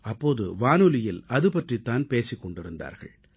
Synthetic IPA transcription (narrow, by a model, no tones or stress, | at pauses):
ɐpːoːðɯ̰ʋaːnɯlɪjɪlɐðɯpɐʈrit̪ːaːnpeːsɪkːɔɳɖɪɾɯnd̪a̰ːɾɣɐ̰ɭ